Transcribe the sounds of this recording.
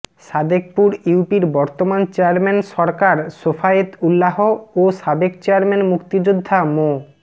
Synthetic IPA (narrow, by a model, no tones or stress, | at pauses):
ʃad̪ek̚puɾiupiɾbɔɾt̪omant͡ɕeaɾmenʃɔɾkaɾʃofaet̪ulːaɦooʃabekt͡ɕeaɾmenmukt̪id͡ʑud̪ʱːamo